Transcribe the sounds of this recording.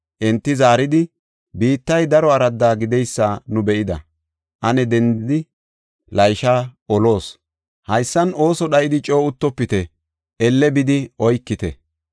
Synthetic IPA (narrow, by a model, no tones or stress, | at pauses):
ʔɛnt̪ːɪzaːɾɪd̪ɪ | biːt̪ːɐjd̪ɐɾɔɐɾɐd̪ːaːɡɪd̪ɛjsːaːnʊbɛʔɪd̪ɐ̰ | ʔɐnɛd̪ɛnd̪ɪd̪ɪ | lɐjʃaːɔlo̞ːs | hɐjsːɐno̞ːsɔɗɐʔɪd̪ɪt͡ʃʼo̞ːʊt̪ːɔpːɪt̪ɛ | ʔɛlːɛbɪd̪ɪɔjkːɪt̪ɛ̰